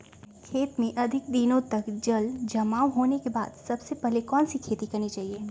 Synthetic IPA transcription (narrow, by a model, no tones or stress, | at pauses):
kʰeːt̪mẽʔɐd̪ʱɪk̚d̪ɪnõt̪ɐkd͡ʒɐld͡ʒɐmaːwɦoːnekeba̰ːd̪sɐbsepɛɦlekɔːnsikʰeːt̪ikɐɾnit͡ʃaːɦieː